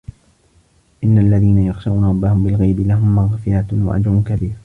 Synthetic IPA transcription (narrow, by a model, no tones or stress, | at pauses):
ʔɪnːaʔalːaðiːnajɑɣʃaʔuːnaɾˤɑbːahʊmbɪlɣajbɪlaɦʊmːaɣfɪjat̪wa̰ʔa̰d͡ʒɾʊnkabiːɾ